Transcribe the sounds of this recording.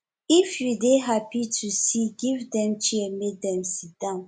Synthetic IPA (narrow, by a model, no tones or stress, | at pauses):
ifjudeɦapitʰusiɡivdɛ̃mt͡ʃiɛmek̚dɛ̃msit̚d̥ãʊ̃n